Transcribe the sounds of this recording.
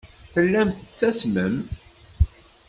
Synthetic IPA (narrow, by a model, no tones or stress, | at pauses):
θəlːæmθə̥t͡sːæsməmθ